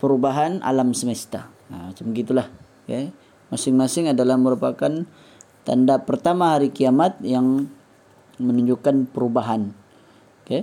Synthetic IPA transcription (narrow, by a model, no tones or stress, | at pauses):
pəɾubaɦana̰lamsəmest̪a̰ | mat͡ʃaməɡit̪ulah | ke | masɪŋmasɪŋadalahməɾupakan | t̪a̰ndapərt̪amaɦaɾikiamat̪̚jaŋ | mənuɲd͡ʒukːanpəɾubaɦan | ke